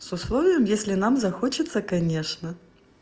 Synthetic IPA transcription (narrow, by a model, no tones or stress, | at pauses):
sʊslˠovʲɪjəmjesʲlʲɪnamzɐxot͡ɕɪt̪səkɐnʲeʂnə